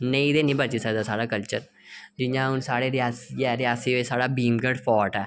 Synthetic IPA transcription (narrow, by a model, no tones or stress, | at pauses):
nẽĩːd̪eːnĩːbət͡ʃiːsəkd̪aːsaːɽaːkəlt͡ʃəɾ | d͡ʒɪjãːɦʊnsaːɽeːɾɪaːsiɛːɾɪaːsiːeːsaːɽaːbiːmɡəɽpʰɔːʈɛː